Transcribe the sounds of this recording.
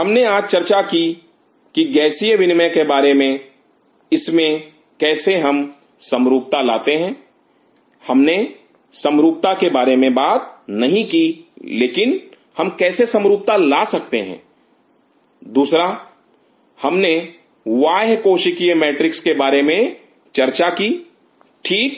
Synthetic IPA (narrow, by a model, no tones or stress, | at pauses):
ɦɐmneaːd͡ʒt͡ʃɐɾt͡ʃaki | kiɡɛːsijeʋɪnmẽkebaːɾemẽ | ɪsmẽ | kɛːseɦɐm | sɐ̃mɾuːk̚t̪alaːt̪eɦɛ̃ː | hɐmne | sɐ̃mɾuːk̚t̪akebaːɾemẽbaːt̪̚nɐɦĩkileːkɪn | hɐmkɛːsesə̃mɾuːp̚t̪alaːsɐk̚t̪eɦɛ̰̃ː | d̪uːsɾa | hɐmne | waːɦkoːʃɪkiemɛːʈɾɪkskebaːɾemẽ | t͡ʃɐɾt͡ʃakiː | ʈʰiːk̚